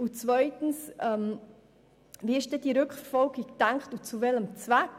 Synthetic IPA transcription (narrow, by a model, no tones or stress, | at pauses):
ut͡svœʏtn̩sɛm | viːɪʃd̥ɛd̥iɾʏkχffɔlɡikd̥aŋkχtut͡suvɛləmt͡svæk